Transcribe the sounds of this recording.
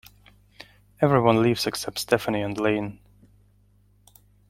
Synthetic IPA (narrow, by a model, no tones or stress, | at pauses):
ɛvɹiwʌ̃nlivz̥ɨksɛp̚tstʰɛfəniɨ̃nlẽɪ̃n